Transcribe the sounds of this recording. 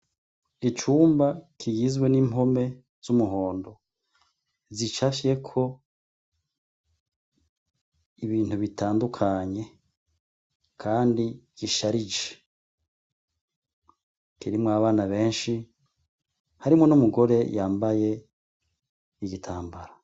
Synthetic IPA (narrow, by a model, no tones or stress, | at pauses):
it͡ʃuːmbakʰiɡizɡwe̞nimo̞me̞ | z̥umuɦo̞ːndo̞ | zit͡ʃafje̞kʰo̞ | iβiːn̥huβitʰaːndukʰaɲe̞ | kʰaːndiɡ̥iʃaɾid͡ʒe̥ | kiɾimŋaβaːnaβe̞ːnʃi | haɾimŋo̞numuɡo̞ɾe̞jaːmbaje̞ | iɡitʰaːmbaɾa